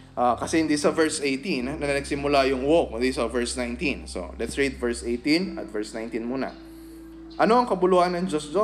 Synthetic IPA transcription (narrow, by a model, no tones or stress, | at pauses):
ʔaːkɐsɛhɪnd̪isɐvɛɹsʔejt̪innɐnɐɐɡsɪmʊlajʊŋwok̚ɪnd̪isɐvɛɹsnajnt̪inso̰lɛt̪sɹid̪̚vɛɹsʔejt̪inɐ̰t̪̚vɛɹsnajnt̪inmuːnɐ̰ | ʔɐno̞ɐŋkɐbʊlohɐnɐŋd͡ʒosd͡ʒo